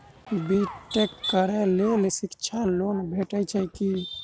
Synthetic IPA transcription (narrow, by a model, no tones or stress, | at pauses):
biʈekʈkəɾɛlelesɪkt͡ʃʰaloːnbʱeʈət͡ʃʰɛki